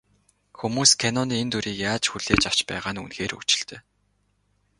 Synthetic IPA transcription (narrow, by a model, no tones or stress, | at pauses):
xumuːskʰenɔniːent̪ʰuɾiːkjaːt͡ɕxuɮ̥eːt͡ɕaw̥t͡ɕpæ̰ːʁaːnṵnxeːrṵt͡ɕɪ̥̆ɬt̪œː